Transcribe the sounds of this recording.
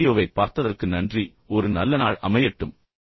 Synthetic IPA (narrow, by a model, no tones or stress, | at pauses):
joːʋɐɪpːaːɾt̪ɐðɐrkɯnɐndri | ɔɾɯnɐlːɐnaːɭɐmɐjɐʈːɯm